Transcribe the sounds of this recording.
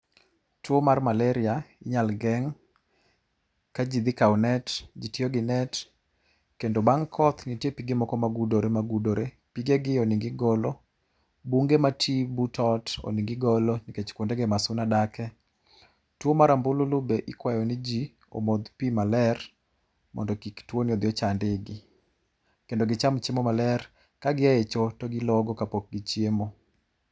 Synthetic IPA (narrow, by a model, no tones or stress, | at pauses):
twomarmalɛɾɪaɪɲalɡɛŋ | kad͡ʒid̪ɪkawnɛtd͡ʒitioɡɪnɛt | kendobaŋkʰɔt̪nitjepiɡemɔkɔmaɡudoɾemaɡudoɾe | piɡeɡɪoniŋɡɪɡɔlo | buŋɡematʰibutʰɔto̰niŋɡɪɡɔlɔniket͡ʃkwondeɡemasʊnadakɛ | twomaɾambʊlulʊbeʔɪkwajɔnɪd͡ʒi | o̰mod̪pimalɛr | mɔ̰ndɔkiktwonɪɔd̪ɪjɔt͡ʃandɪɡɪ | kendoɡɪt͡ʃamt͡ʃemomalɛr | kaɡɪaet͡ʃotɔɡɪlɔɡɔkapok̚ɡit͡ʃjemo